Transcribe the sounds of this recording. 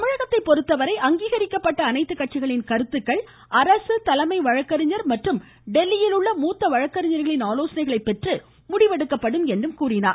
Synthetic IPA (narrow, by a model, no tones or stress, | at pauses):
t̪ɐmɪɻɐɣɐt̪ːɐɪpːɔɾɯt̪ːɐʋɐɾɐɪʔɐŋɡiːɣɐɾɪkːɐpːɐʈːɐːnɐɪt̪ːɯkːɐʈ̚t͡ʃɪɣɐɭɪnkɐɾɯt̪ːɯkːɐɭ | ʔɐɾɐsɯt̪ɐlɐmɐɪʋɐɻɐkːɐɾɪɲɐɾmɐʈrɯm | ɖɛlːɪjɪlɯɭːɐmuːt̪ːɐʋɐɻɐkːɐɾɪɲɐɾɣɐɭɪnaːloːsɐnɐɪɣɐɭɐɪpːɛʈrɯ | mʊɽɪʋɐɽɯkːɐpːɐɽɯmɛndrɯmkuːrɪna̰ːɾ